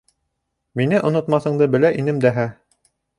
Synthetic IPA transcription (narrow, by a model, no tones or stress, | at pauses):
minɘʔŏnŏt̪mɑθɤ̆ɴd̪ɤbɘ̆læʔinɘmd̪æɦæ